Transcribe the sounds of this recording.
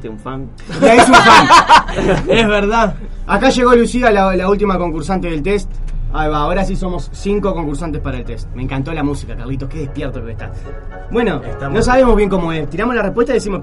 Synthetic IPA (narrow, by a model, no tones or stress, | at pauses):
t̪euɱfaŋ | aesuɱfaŋ | ezβeɾðað | akaʃe̞ɣolusialalault̪̬imako̞ŋkuɾsant̪eðelt̪est̪ajβaːoɾasiso̞mo̞sːiŋko̞ko̞ŋkuɾsant̪e̞hpaɾaelt̪est̪̚mẽ̞ŋkant̪o̞lamusikaka̰ɾlit̪okeðehpjeɾt̪okeeht̪a̰ | bwe̞no̞nos̬aβemoβje̞ŋkomo̞est̪iɾamo̞slarehpwet̪aiðesimo